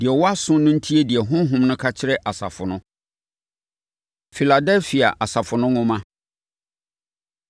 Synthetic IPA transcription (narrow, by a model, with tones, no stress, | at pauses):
dɪ˨ɛ˨wɔ˦a˦sʊ̃˦nʊ̃˦n̩˦tʰi˦e˦di˨ɛ˨ɦʊ̃˦ɦʊ̃˦mnʊ̃˦kʰa˦t͡ɕʰɪ˦ɾɛ˦ʔa˨sa̰˨fʊ˨nʊ̃˦ | fi˨la˨dɛ˦lfi˨a̰˨ʔa˨sa˨fʊ̃˨nʊ̃˦ŋʊ̃˦mã˦